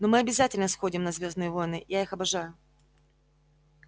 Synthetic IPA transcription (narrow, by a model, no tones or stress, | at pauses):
no̞mɨɐbʲɪzatʲɪlʲnəsxo̞dʲɪmnɐzvʲo̞znɨjəvo̞jnɨjaixɐbɐʐajʊ